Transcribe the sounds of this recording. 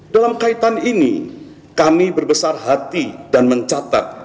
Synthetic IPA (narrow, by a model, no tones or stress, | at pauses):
d̥alamkait̪aninḭ | kamibərbəsarɦat̪idanməɲt͡ʃat̪a̰t̪̚